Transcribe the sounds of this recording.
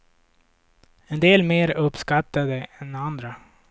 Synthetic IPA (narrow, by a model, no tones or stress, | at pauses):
ɛnd̪eːlmeːɾɵpːskat̪ːad̪əɛnand̪ɾa